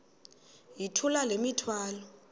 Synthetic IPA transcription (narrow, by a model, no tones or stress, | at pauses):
jitʰulalemitʰwaːlɔ